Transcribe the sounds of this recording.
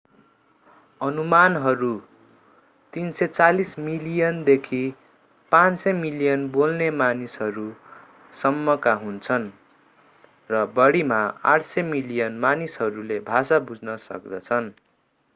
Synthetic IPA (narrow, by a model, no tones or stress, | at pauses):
ʌnumanɦʌɾu | t̪insʌt͡salismilijʌnd̪ekʰi | pãnsʌmilijʌnbolnemanisɦʌɾu | sʌmːʌkaɦunt͡sʰʌn | rʌbʌɽimaa̰ʈʰsʌmilijʌnmanisɦʌɾulebʱasabud͡znʌsʌ̰k̚d̪ʌt͡sʰʌn